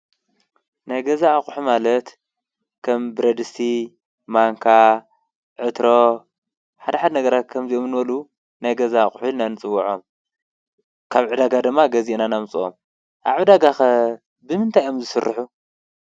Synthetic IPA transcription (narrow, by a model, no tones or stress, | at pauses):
najɡɐzaːχʼħumalɐt̪ | kʰɐmbɨɾɐd̪ɨst̪ʰi | maŋkʰa | ʕɨt̪ɾo | ħad̪ɐħad̪nɐɡɐɾat̪̚kʰɐmziomɨnɨbɐlu | najɡɐzaχʼħunanɨt͡sʼɨwːɐʕom | kʰaβʕɨd̪aɡad̪ɨmːaɡɐzenanamt͡sʼɨʔo̰m | ʔa̰βʕɨd̪aɡaxɐ | bɨmɨnt̪ʰajomzɨsɨrːɨħu